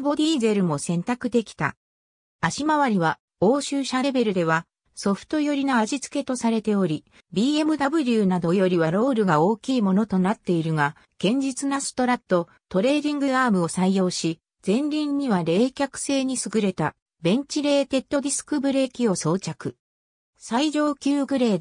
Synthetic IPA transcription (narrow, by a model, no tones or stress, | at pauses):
bo̞d̪ʲiːze̞ɾɯ̟mo̞sẽ̞nt̪akɯ̟d̪e̞kʲi̥t̪a̰ | aɕimaβaɾʲiβa | o̞ːɕɨːɕaɾe̞be̞ɾɯ̟d̪e̞β̞a | so̞ɸɯ̥t̪o̞jo̞ɾʲinoaʑit͡sɨ̥ke̞t̪o̞saɾe̞t̪e̞o̞ɾʲi | bʲiːe̞mɯ̟d̪abɯ̟ɾʲɯːnad̪o̞jo̞ɾʲiβaɾo̞ːɾɯ̟ɡao̞ːkʲiːmo̞no̞t̪o̞nat̪ːe̞iɾɯ̟ŋa | ɡ̥ẽ̞ɲ̟d͡ʑit͡sɨnasɨ̥t̪o̞ɾat̪ːo̞ | t̪o̞ɾe̞ːɾʲĩŋɡɯ̟aːmɯ̟o̞saijo̞ːɕi | z̥ẽ̞nɾʲĩɲ̟ːiβaɾe̞ːkʲakɯ̟̥se̞ːɲ̟isɨɡɯ̟ɾe̞t̪a | bẽ̞ɲ̟t͡ɕiɾe̞ːt̪e̞t̪ːo̞d̪ʲisɨ̥kɯ̟bɯ̟ɾe̞ːkʲio̞so̞ːt͡ɕakɯ̟ | saiʑo̞ːkʲɨːɡɯ̟ɾe̞ː